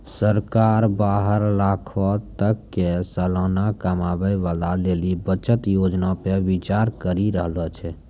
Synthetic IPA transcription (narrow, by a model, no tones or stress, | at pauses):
səɾkaɾbaɦəɾlakʰɔt̪əkːesəlɔnakəmabəjʋalalelibət͡ʃət̪jod͡ʒnapebit͡ʃaɾkəɾiɾəɦlət͡ʃʰɛ